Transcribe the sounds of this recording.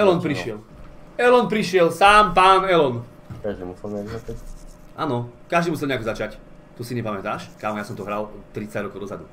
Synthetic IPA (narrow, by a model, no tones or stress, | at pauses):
ɛlɔnpɾiʃɪɛl | ɛlɔnpɾiʃɪɛlsaːmpaːnɛlɔn | kaʒd̪imusɛlɛazat͡ʃɛ | ʔaːnɔkaʒd̪imusɛlɲɛakɔzat͡ʃac | t̪usiɲɛpamɛt̪aːʃkaːmɔjasɔmt̪ɔɦɾalt̪ːɾit͡saɟɾɔkɔʊd̪ɔzad̪u